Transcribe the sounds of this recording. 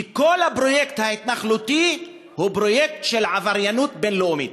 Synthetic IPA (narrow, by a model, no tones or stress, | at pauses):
iko̞lhabʁo̞jekt̪hait̪naχlut̪i | hubʁo̞jekt̪ʃelʕavaʁjanut̪benloomit̪